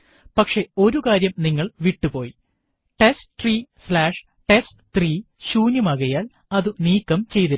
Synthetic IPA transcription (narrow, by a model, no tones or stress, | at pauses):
pɐkʂe̞o̞ɾukaːɾjɐmniŋːɐɭʋiʈːupo̞ːji | ʈesʈt̪riːslaːʂ | ʈe̞sʈɨt̪riː | ɕuːnjɐmɐɣɐjaːl | ɐðɨniːkːɐmt͡ɕe̞jt̪ɐ